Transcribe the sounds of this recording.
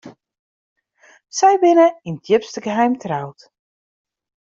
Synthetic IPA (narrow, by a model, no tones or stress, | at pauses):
sɛjbɪnəinətʰjɪpstəɡəɦɛjmtrawt